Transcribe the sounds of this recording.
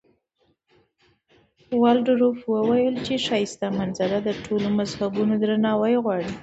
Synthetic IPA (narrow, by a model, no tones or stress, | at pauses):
wɑlɖɾofwəwajəlt͡ʃeʃɑjɪst̪amanzaɾad̪əʈʰolomazhabunod̪ɾanɑwajɣwɑɽi